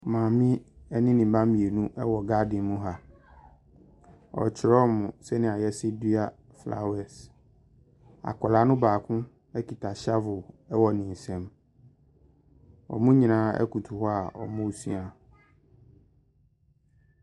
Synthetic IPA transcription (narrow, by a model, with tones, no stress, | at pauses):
mãː˨mɪ̃˦ɛ˦nɪ̃˦nɪ̃˨m˨bã˦mĩ˨e˨nũ˦ʔɛ˦wɔ˨ɡa˦dɪ̃˨˦mũ˦ɦa˦ | ɔ̰˨t͡ɕʰɪ˨ɾɔ˦mʊ̃˨sɛ˦nɪ̃˨a˨jɛ˦sɪ˦di˦a˦˨ | fla̰˦wɛ˨s | a̰˨kʰɔ˨la˨˦nʊ̃˦baː˨kʰʊ̃˦ | ɛ˦kʰi˨tʰa˨ɕa˦vʊ˨ɛ˦wɔ˨nɪ̃˨n̩˨sɛ̃˨m | ɔ̰˨mʊ̃˦ɲĩ˨nãː˨˦ɛ̰˦ku˨tʰu˨hɔ˦a˨ɔ̰˨mʊ̃˦˨sḭ̃˦a˨